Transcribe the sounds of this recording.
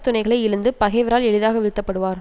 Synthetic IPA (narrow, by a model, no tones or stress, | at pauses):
t̪ːʊnɐɪɣɐɭɐɪɪɻɯnd̪ɯpɐɣɛɪʋɐɾaːlɛɻɯðaːɣɐʋɪɻt̪ːɐpːɐɽɯʋaːɾ